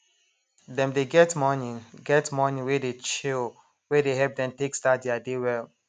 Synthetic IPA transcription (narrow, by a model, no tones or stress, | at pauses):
dɛ̃mdeɡɛtmɔnĩnɡɛtmɔnĩnwedet͡ʃil | wɛdeɦɛlp̚dɛ̃mteksdat̚dɛadewɛl